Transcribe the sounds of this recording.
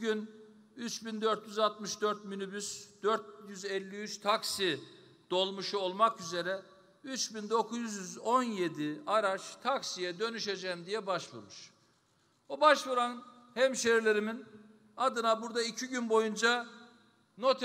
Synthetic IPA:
yn | yt͡ʃbind̪øɾt̪jyzalˠt̪mɯʃd̪øɾt̪̚mynybysd̪̥øɾt̪̚jyzɛlʲːiyt͡ʃt̪ʰaksi | d̪̥o̞lˠmuʃuo̞lˠmakyze̞ɾɛ | yt͡ʃbind̪o̞kʰuzzjyzo̞nje̞d̪iaɾat͡ʃt̪ʰaksijɛd̪ø̞nyʃed͡ʒɛmd̪ijɛbaʃvṵɾmɯʃ | obaʃvuɾan | hɛmʃeiɾlʲe̞ɾimin | ad̪ɯnabuɾd̪aicʰiɟynbo̞jund͡ʒa | no̞t̪ʰ

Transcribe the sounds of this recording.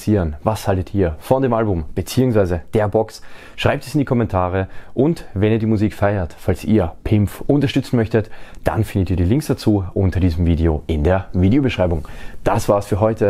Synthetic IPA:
siːʁənvashaltətiːɐfɔndeːmʔalbʊmb̥ət͡siːʊŋsv̥aɪzəd̥eːɐbɔks | ʃʁ̥aɪp̚tɛsɪndikʰɔmɛntʰaːʁəʔʊntvɛniːɐdiːmuziːkfaɪɐtfalsḭːɐpʰɪmfʔʊntɐʃtʏt͡sn̩mœçtətd̥a̰nfɪndətiːɐdiːlɪŋksd̥at͡suːʔʊntɐdiːzəmviːdeoʔɪndeːɐviːdeobəʃʁ̥aɪbʊŋd̥asv̥aːɐsfyːɐɦɔʏtə

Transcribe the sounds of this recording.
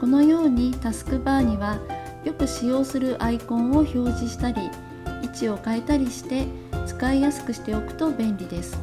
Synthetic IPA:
ko̞no̞jo̞ːɲ̟it̪asɨ̥kɯ̟baːɲ̟iβ̞a | jo̞kɯ̟ɕijo̞ːsɨɾɯ̟ʔaikõ̞ɰ̃o̞ço̞ːʑiɕi̥t̪aɾʲi | it͡ɕio̞kae̞t̪aɾʲiɕi̥t̪e̞ | t͡sɨ̥kaijasɨ̥kɯ̟ɕi̥t̪e̞o̞kɯ̟̥t̪o̞bẽ̞nɾʲid̪e̞sɨ̥

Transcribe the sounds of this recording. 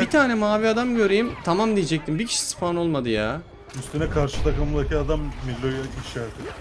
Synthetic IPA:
b̥it̪ʰaːnɛmaːviad̪amɟø̞ɾejimt̪ʰamamd̪ijɛd͡ʒɛc̚t̪ʰimbicʰi̥ʃi̥sɯ̥pano̞lˠmad̪ɯjaː | yst̪ʰenɛkʰaɾʃɯt̪ʰakamɯnd̪aciad̪amːilʲːojaiʃæɾd̪ɪ

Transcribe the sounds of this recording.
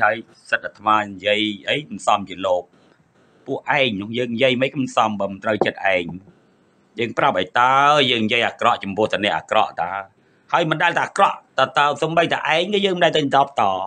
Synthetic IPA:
haəj | sət̪̚at̪ʰmaːnjiəjʔəjkmsɑmt͡ɕiəloːp̚ | pːʊəʔʔaɛŋnʊ̆əjəːŋnjiəjməjkɨnsɑmɓəːmnt̪rəwt͡ɕət̪̚ʔaɛŋ | jəːŋprap̚ʔəːjt̪aəəjəːŋnjiəjʔaːkrɑʔt͡ɕɑmpʊ̆əht̪aːnɛ̆əʔa̰ːkrɑ̰ʔt̪aə | haəjmɨnɗaɛlt̪aːʔakrɑʔt̪at̪aəsoːmɓəjt̪ʰaʔaɛŋkɨːjəːŋmənɗaɛlt̪ənt̪ɔːpt̪ɑː

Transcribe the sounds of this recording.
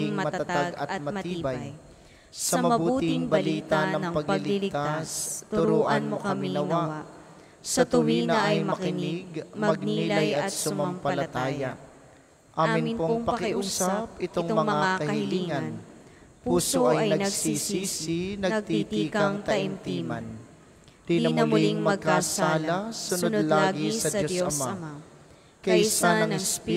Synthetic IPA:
ɪŋmɐmɐt̪ɐt̪aɡɐt̪̚mɐt̪iːbɐj | sɐmɐmɐbuːtːt̪ɪŋbɐliːt̪anɐŋɐŋpɐɡpɐɪlilt̪ast̪ʊɾoʔɐnmokɐmɪinɐnwaa | sɐt̪ʊwinɐɐʔɐjmɐkɪnɪɡmɐɡ̚niilajɐɐt̪sʊmɐmpɐlɐt̪aːja | ʔaːmɪnpoŋpɐkɪʔusaapɪt̪oŋt̪mɐmaakɐhɐiliːŋɐn | puːsoʔɐj̪ɐnɡsisiːsinɐɡt̪it̪ikɐŋt̪ɐɐʔɪmt̪iːmɐn | d̪̥iɐmnɐliŋmɐɡ̚kasaːlɐsʊnonlaːɡisɐd̪osɐsma | kɐjsanɐŋɛspi

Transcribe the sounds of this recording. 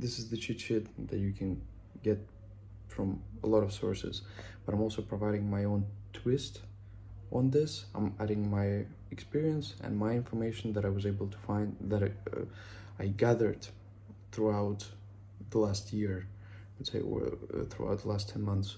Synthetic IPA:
ðɪsɨzðɨt͡ʃʰit͡ʃɪt̪̚ðɨt͡ʃɨkʰɨ̃n | ɡɛt̚ | fɹʌ̃məlɔɾʌv̥sɔ̰ɹsɨ̰zb̥ʌɾãɪmɔlˠsoʊpʰɹ̥əvaɪɾɪ̃ŋmaɪõʊ̃ntʰw̥ɪst | ʔn̩ðɪsãɪ̃mæɾɪ̃ŋmaɪ | ɨkspɪɹiɨ̃nsɨ̰̃nmaɪɪ̃nfə˞meɪʃn̩ðɨɾaɪwʌzeɪbl̩ˠtʰə̥fãɪ̃nðɨɾ̰ | aɪɡæðə˞d̪̚ | θɹuaʊt̪ | ðəlæst̚ʰjɪɹ | ðɨtsḛɪwə̰˞θɹṵa̰ʊt̪̚ðəlæstʰɛ̃nmʌ̃nθs

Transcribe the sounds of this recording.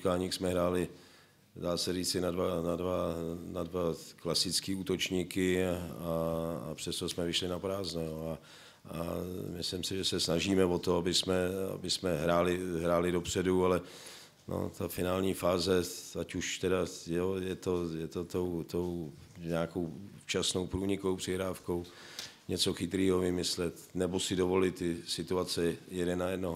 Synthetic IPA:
kaːɲiksmɛɦɾaːlɪ | daːsɛriːt͡sɪnadvanadvanadvaklasɪt͡skiːuːt̪o̞t͡ʃɲiːkɪaa̰pr̥ɛst̪o̞smɛvɪʃlɪnapɾaːznojoa | a̰mɪslɪmsɪʒɛsɛsnaʒiːmɛvot̪oabɪsmɛa̰bɪsmɛɦɾaːlɪɦɾaːlɪdo̞pr̥ɛdualɛ | nʔo̰t̪afɪnaːlɲiːfaːzɛacuʃt̪ɛdajojɛt̪ojɛt̪ot̪owt̪owɲɛaːkowft͡ʃasno̞wpɾuːɲɪkowpr̥ɪɦɾaːfkow | ɲɛt͡so̞xɪt̪ɾiːɦovɪmɪslɛt̪nɛbosɪdovo̞lɪt̪ːɪsɪt̪uat͡sɛjɛdɛnajɛdnoɦ

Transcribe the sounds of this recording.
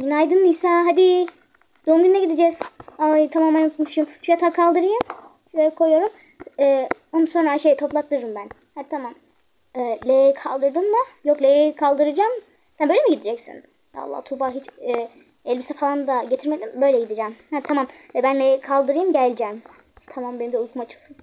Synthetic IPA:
inajd̪ɯnɯnisaɦad̪i | d̪̥oːmd̪innːɛɟid̪id͡ʒɛz̥ajt̪ʰamaːmænok̪muʃujumʃujat̪ʰaːkʰalˠd̪ɯɾɯjɯm | ʃukʰojjo̞ɾum | ɛː | onsonɾaaʃejt̪ʰo̞plˠaklˠɯɾɯɾɯmbæn | hat̪ʰamam | ɛːlʲejejkʰalˠd̪ɯɾd̪ɯmːajoklʲejejkʰalˠd̪ɯɾɯd͡ʒaːm | sænbøjlʲemiɟid̪id͡ʒɛcsḭn | a̰lˠːa̰t̪ʰubaɦit͡ʃɛː | ɛlʲbisɛfalˠand̪aɟe̞t̪ʰiɾmed̪imbø̞jlʲɛɟid̪id͡ʒɛːmhat̪ʰamamɛbænlʲejɛkʰalˠd̪ɯɾɯjɯmɟælʲd͡ʒɛːm | t̪ʰamambeimd̪ɛulˠkʰumat͡ʃʰɯlˠsɯn

